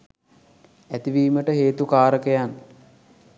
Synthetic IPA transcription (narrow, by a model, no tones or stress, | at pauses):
æt̪iʋiːməʈəɦeːt̪ukaːɾəkəjan